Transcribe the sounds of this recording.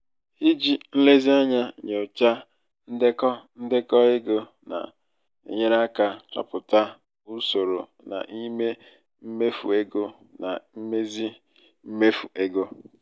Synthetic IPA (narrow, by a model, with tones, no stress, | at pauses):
i˦d͡ʒi˦n̩˦le˦zi˦a˦ɲa˦ɲe˨ʊ˨t͡ʃa˦ | n̩˦de˦kɔ˦n̩˦dɪ˦kɔ˦e˦ɡo˦ | na̰˨ | ḛ˨ɲe˦ɾa˦ka˨t͡ʃɔ̰˨pʊ˨ta˦ | u˦so˨ɾo˨ | na̰˨ʔi˦me˦ | m̩˦me˦fṵ˨e˦ɡo˦ | na̰˨m̩˦me˦zi˦ | m̩˦me˦fu˨ʔe˦ɡo˦